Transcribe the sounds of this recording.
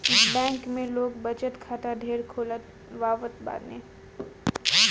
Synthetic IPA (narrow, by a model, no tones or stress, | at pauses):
ɪsbɛ̃ːŋkmẽloːɡbɐt͡ʃət̪kʰaːʈ̪ad̪ʱeːɽkʰoːlət̪̚ | ʋaːʋət̪ba̰ːɾneː